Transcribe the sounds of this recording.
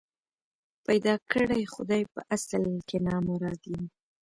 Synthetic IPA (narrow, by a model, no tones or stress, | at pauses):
pajd̪ɑkʰəɽajxʊd̪ɑjpə̰ʔasalkenɑmʊɾɑɡ̪im